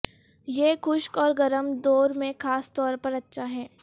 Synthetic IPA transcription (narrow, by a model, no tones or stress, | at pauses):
jekʊʃkɔːɾɡɐɾəmd̪oːɾmẽxaːst̪ɔːɾpɐɾɐtːʃʰaɦɛː